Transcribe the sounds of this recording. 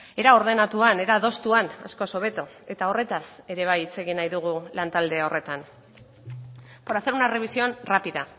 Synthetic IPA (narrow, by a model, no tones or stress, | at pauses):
e̞ɾao̞ɾð̞e̞nat̪uane̞ɾaðo̞st̪uana̰sko̞so̞β̞e̞t̪oe̞t̪ao̞re̞t̪ase̞ɾe̞β̞ajit͡se̞ɣinajðuɣ̞ulant̪ald̪e̞o̞re̞t̪an | po̞ɾaθe̞ɾunare̞β̞isioanrapiða